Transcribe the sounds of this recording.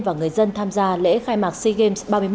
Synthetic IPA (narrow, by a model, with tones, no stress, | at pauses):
vaː˨˩ŋɨ˨˩əjzə˧nt̪ʰaː˧mzaː˧lḛ˧˥xaː˧jmaː˨˩k̚si˧ɣe˧msɓaː˧mɨ˧j